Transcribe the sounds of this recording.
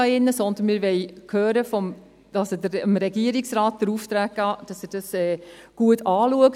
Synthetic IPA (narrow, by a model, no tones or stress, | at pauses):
ɑɪnːəsɔnd̪ən̩mɪːɾʋɛɪjkʰøːɾəfɔm | ɑsodəəmɾɛɡiəɾiksɾaːt̚d̥əɾuːft̪ɾæːk̚ɡ̥ɑːd̥ɑsɪd̥ɑsɛːɡ̥uətʰɑːluək